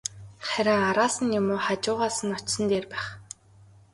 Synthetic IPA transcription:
χæɾʲɪ̆ŋaɾaːsə̆njʊmʊːχat͡ɕʊːʁaːsə̆nɔt͡ɕsə̆nt̪eːrpæːχ

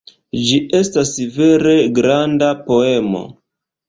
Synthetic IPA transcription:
d͡ʒiʔe̞stasve̞ɾe̞ɡɾandapo̞e̞mo̞̰

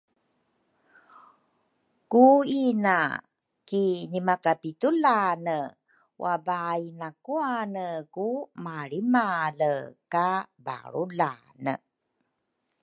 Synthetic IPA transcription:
kuina̰ | kinimakapitulanə | wʔabainakuanəkumaɭimaləkaba̰ɾula̰ | nə̰

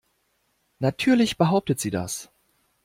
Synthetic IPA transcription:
natʰyːɐlɪçb̥əɦaʊp̚tətz̥iːda̰s

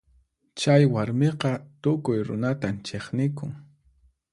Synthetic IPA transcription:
t͡ʃajwaɾmeqɑt̪ʊkʊjɾʊ̰nat̪ant͡ʃeχnɪkʊŋ

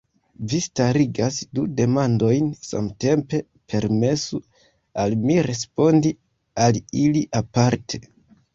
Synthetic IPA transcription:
vistaɾiɡasdude̞mando̞jnsa̰mte̞mpe̞ | pʰe̞ɾme̞su | almiɾe̞spo̞ndi | aliliʔapaɾtʰe̞̥

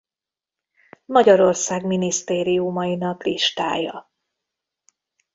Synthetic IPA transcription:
mɒɟɒɾo̞rsaːɡminist̪eːɾiumɒjinɒkliʃt̪a̰ːjɒ̰

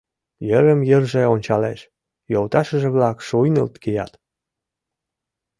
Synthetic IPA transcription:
jəɾəmjərʒeonʲt͡ɕɑleʃ | jolt̪ɑʃəʒeβlɑkʃujnə̰lt̪kijɑ̰t̪

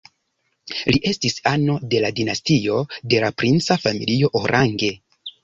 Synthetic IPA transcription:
liʔe̞stisano̞de̞ladinastio̞de̞lapɾint͡safamḭlio̞ʔoɾʔaŋɡe̞

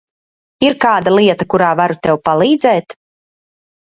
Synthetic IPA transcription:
iɾkaːd̪alˠiɛt̪akuɾaːvaɾut̪ɛwpalˠiːd̪zɛːt̪

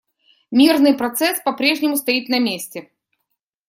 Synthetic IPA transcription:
mʲirnɨjpɾɐt̪sɛspɐpɾʲe̞ʐnʲɪmʊst̪ɐit̪nɐmʲesʲtʲɪ

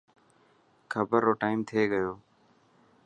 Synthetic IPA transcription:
kʰəbəɾːoːʈaːimt̪ʰeːɡəjoː

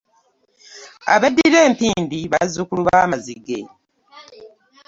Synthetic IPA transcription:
a̰βedːiiɾe̞ːmpiːndiβazukuluβaːmazḭɡḛ

